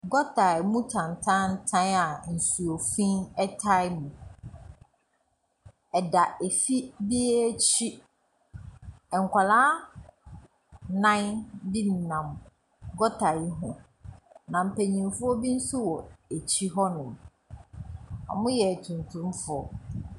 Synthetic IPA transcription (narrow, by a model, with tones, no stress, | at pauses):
ɡɔ˦tʰa˨jmũ˦tʰã˨n˨tʰã˦n̩˦tʰã˦na˨n̩˨su˨o˨fĩ˦nɛ˦tʰa˦jmũ˨ | ɛ˨da˨e˨fi˦bi˦t͡ɕʰi˦ | ɛ˨ŋ̩˨kʷa˨laː˦ | nã˦nbi˦n˨nã˨m | ɡɔ˦tʰa˨i˦ɦʊ̃˨ | nã˨m̩˨pʰæ˨ɲĩ˨fʊ˦ɔ˦bi˦n̩˦su˦wɔ˨e˨t͡ɕʰi˦ɦɔ˦nʊ̃˨ | a̰˨mʊ̃˦jɛ˨tʰũ˨ntʰũ˦mfʊ˦ɔ˦